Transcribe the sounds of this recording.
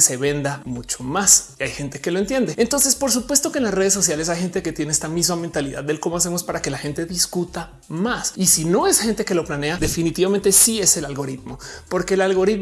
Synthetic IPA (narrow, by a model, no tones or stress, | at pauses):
se̞βe̞nd̪amut͡ʃo̞masiajxent̪e̞ke̞loe̞nt̪je̞nd̪e̞ent̪o̞nse̞spo̞ɾs̬upwe̞st̪o̞kenlasre̞ð̞esːo̞s̬jale̞s̬ajxe̞nt̪eket̪je̞neest̪amizmame̞nt̪aliða̰ðːelko̞moase̞mospaɾake̞laxe̞nt̪e̞ðiskut̪a | masisino̞e̞sxe̞nt̪e̞ke̞lo̞plane̞aðe̞finit̪iβament̪esie̞se̞lalɣo̞ɾit̪mo̞po̞ɾke̞ːlalɣo̞ɾit̪